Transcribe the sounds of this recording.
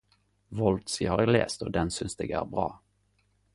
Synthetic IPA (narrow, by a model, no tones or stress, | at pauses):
vɔlt̪sɪhɑɾɛlḛːst̪ɔd̪ɛnsʏnsd̪ɛɡæ̰ːɾbɾɑ̰ː